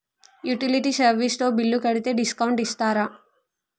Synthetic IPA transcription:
juʈiliʈiːsɐɾʋist̪o̞ːbilːukɐɽit̪e̞ːɖiskɐwuɳʈist̪aːɾa

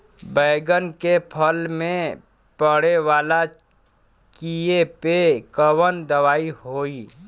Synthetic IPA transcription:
bəɪɡənkepʰəlmẽ | pəɽewaːla | kiepekəwənd̪əwaːiɦoːi

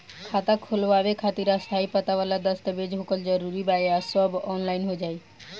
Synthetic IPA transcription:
kʰat̪akʰolbabekʰat̪iɾast̪ʰaipat̪aβalaɾd̪ɔst̪abed͡ʑbʱokold͡ʑɔɾuɾibajeasɔbɔnlajnɦoed͡ʑaj

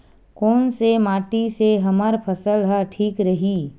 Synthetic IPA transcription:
koːnsemaːʈiseɦɐməɾpʰɐsəlɦɛʈʰiːkɾəɦiː

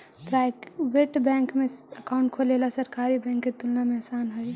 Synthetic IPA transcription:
pɾajkbeʈbɛ̃ŋkmeəkauɳʈ̚kʰolelasəɾkaɾibɛ̃ŋkːet̪ulnameəsanɦoj

